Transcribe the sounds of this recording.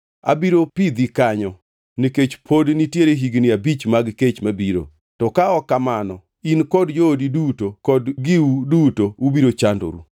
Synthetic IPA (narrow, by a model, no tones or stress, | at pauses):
a̰biɾopid̪ikaɲɔ | niket͡ʃpʰodnitjeɾeɦiɡnɪabit͡ʃmaɡket͡ʃmabiɾo̰ | tɔkaɔkːamanɔ | inkɔdd͡ʒoːdidutokɔdɡɪudutoubiɾot͡ʃando̰ɾṵ